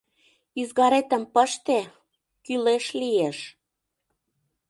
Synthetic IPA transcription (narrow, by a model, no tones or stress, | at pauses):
yzɣɑɾet̪ə̆mpəʃt̪e | kyleʃlijeʃ